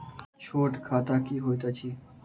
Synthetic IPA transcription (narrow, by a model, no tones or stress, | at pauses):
t͡ʃʰoːʈkʰaːt̪aːkiːɦoːit̪at͡ʃʰiː